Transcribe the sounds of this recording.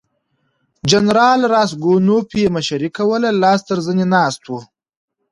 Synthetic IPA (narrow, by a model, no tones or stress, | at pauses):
d͡ʒanɾɑːlɾɑːsɡonopemaʃaɾikawəlalɑːst̪əɾzənenɑːst̪wu